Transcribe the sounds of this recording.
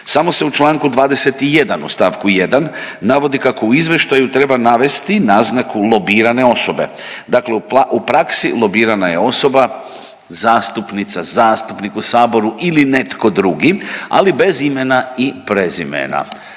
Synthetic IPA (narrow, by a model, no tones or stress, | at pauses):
samo̞se̞ut͡ʃlˠaːŋkud̪ʋaːd̪e̞se̞t̪ije̞d̪anṵst̪aːʋkuje̞d̪anːaʋo̞d̪ikakouizʋe̞ʃt̪ajut̪ɾe̞banaʋe̞st̪inaznakulˠo̞biːɾane̞o̞so̞be̞̰ | d̪akleuupɾaksilˠo̞biːɾanaje̞o̞so̞ba | zaːst̪upnit̪sazaːst̪upnikusaːbo̞ɾuʔiline̞t̪ko̞d̪ɾuɡia̰libe̞zime̞naipɾezḭmḛna̰